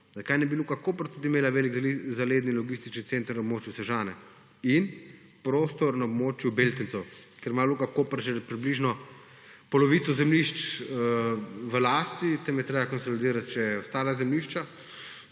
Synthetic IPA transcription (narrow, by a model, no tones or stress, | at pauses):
zɐkajnɛbiluːkakoːpəɾt̪ud̪imeːlaʋeːlikzaleːd̪nilɔɡist̪it͡ʃnit̪sent̪əɾnɐɔbmoːt͡ʃjusɛʒaːnɛ | in | pɾoːst̪ɔɾnaɔbmoːt͡ʃjubelt̪insɛwkeɾmaluːkakoːpɾʒɛpɾibliʒnɔ | pɔlɔʋit̪sɔzɛmliʃt͡ʃ | ʋəlaːst̪it̪ɛmjɛt̪ɾebakɔnsɔlid̪iːɾat̪t͡ʃɛjɛɔst̪aːlazɛmliʃt͡ʃa